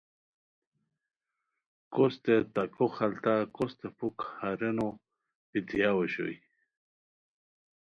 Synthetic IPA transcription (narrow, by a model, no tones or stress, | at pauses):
kost̪et̪akoxalt̪akost̪epukhaɾeno | pit̪ijaweɕo̰j